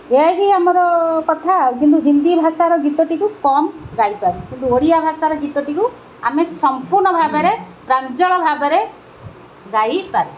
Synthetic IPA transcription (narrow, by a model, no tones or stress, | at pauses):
eaɦiamɔɾɔkɔt̪ʰakint̪uɦind̪ibʱasaɾɔɡit̪ɔʈikukɔmɡajpaɾukint̪uoɽijabʱasaɾɔɡit̪ɔʈiku | amesɔmpuɾɳɔbʱabɔɾe | pɾant͡ʃɔɭɔbʱabɔɾe | ɡajpaɾu